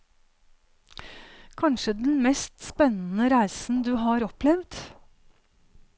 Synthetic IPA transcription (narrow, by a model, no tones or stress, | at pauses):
kʰɑnʃəd̪n̩mɛst̪spɛnən̩əɾæɪsn̩d̪ʉːɦɑːɾɔplɛʋd̪